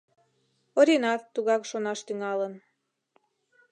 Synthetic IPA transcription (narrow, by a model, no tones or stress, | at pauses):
oɾinɑt̪ːuɣɑkʃonɑʃt̪yŋɑlən